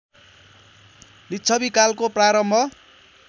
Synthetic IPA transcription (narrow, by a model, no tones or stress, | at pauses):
litːt͡sʰʌbikalkopraɾʌmbʱʌ